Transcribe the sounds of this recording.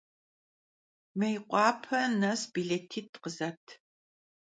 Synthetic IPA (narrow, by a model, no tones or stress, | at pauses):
mɐjqʷʼɑːpʰɐnɐsbiɮetʰiːtqəzɐtʰ